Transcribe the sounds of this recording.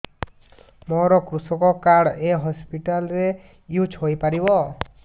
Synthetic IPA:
mɔɾɔkɾusɔkɔkaɽeɦɔspiʈalɔɾe | jut͡ʃʰɦojpaɾibɔ

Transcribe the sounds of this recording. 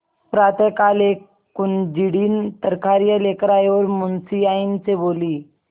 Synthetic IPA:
pɾat̪əkale | kund͡ʑiɽiːnt̪əɾkaɾjəlekɾajʋəɾmunsiaint͡seboliː

